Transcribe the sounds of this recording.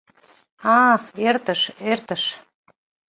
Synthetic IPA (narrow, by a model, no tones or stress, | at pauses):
ɑert̪əʃert̪əʃ